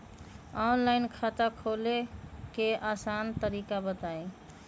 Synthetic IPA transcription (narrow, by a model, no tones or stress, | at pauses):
ɔnlaɪnkʰat̪akʰolekeʔaːsant̪əɾikabət̪ae